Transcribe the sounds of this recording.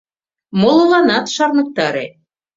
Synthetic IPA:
mŏlˠɤ̆lɑnɑt̪ʃɑrnɤ̆k̚t̪ɑɾḛ

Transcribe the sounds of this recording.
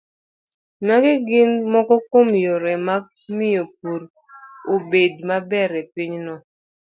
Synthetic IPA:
naɡɪɡɪnmɔkɔkomjoɾɛma | mɪjop̚uɾ | obedmabɛɾɛpiɲnɔ

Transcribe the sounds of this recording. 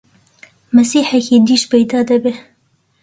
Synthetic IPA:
mɐsiːħɛkid̪iːʃpejd̪ɑːd̪ɐbe

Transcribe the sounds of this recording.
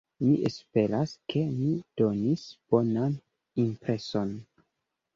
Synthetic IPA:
miʔespe̞ɾaskʰe̞mid̥o̞nisb̥o̞nan | impɾe̞so̞n

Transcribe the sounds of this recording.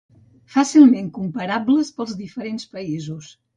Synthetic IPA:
fasilˠmeŋkumpəɾabləspəlˠzðifəɾenspəizus

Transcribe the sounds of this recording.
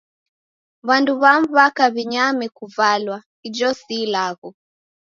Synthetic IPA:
βanduβam̩βakaβiɲamikuvalwa | id͡ʒɔsilaɣɔ

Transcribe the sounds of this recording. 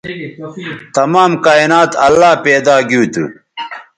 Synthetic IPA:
t̪ɐmaːmkaːinaːt̪ɐlːaːpeːd̪aːɡuːt̪ṵ

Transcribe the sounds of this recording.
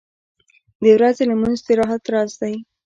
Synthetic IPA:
d̪əwɾazelamunzt̪eɾɑɦat̪ɾɑzd̪aj

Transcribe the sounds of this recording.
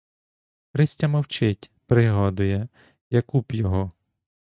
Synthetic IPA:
pɾɪsʲtʲɐmɐwt͡ʃɪtʲpɾɪɦɔd̪ʊjɛ | jɐkupjɔɦɔ

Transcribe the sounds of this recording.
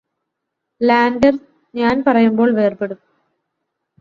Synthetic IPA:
laːnɖɐr | ɲaːnpɐrɐjumbo̞ːɭʋeːrpe̞ɽuu

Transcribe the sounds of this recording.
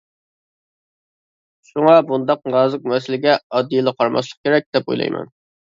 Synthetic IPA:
ʃuŋɑbund̪ɑq̚ʁɑːzɨq̚mɛsɪlɪɡʲɛɑd̪ːijlˠəqʰɑɾmɑ̰ʃ̬lˠə̥q̚kʲeɾɛk̚ʲd̪̥ɛpo̰jlˠɑ̰jmɛ̰n

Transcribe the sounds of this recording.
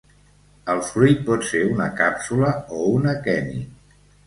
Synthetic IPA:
əlˠfɾuj̚pɔt̪seunəkapsuləounəkɛnḭ

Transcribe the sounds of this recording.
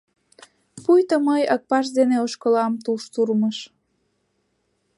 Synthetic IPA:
pujt̪əməjək̚pɑʃ̬d̪eneoʃkolɑmt̪uʃt̪urməʃ

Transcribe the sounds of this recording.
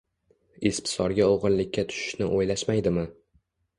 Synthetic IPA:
espsɒɾɡʲaoʁɨnlɪkʲːat̪ʰʊ̥ʃɪ̥ʃnɪʔojlaʃmajd̪ɪmɪ

